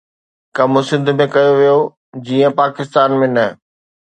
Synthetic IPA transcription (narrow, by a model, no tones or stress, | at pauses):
kɐmʊsɪ̃nd̪ʱʊmẽkɐjoʋijo | d͡ʑiːə̃paːkɪst̪aːnmẽnɐ